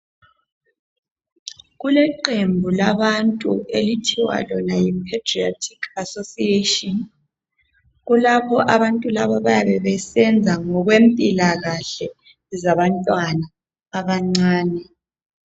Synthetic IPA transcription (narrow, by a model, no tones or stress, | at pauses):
ɣulɛǃembʱulaβantʼṵelitʰiwa̰lɔnajimpʰatriatʰi̥kʰasosietʼɔn | ɣulaβɔʔaβantʼulaβɔβajaβɛβɛsɛnd͡zʱaŋɔɣwempʼilaɣaɬɛ | zaβantʼwanaː | βaŋ͡ǀaːnɛ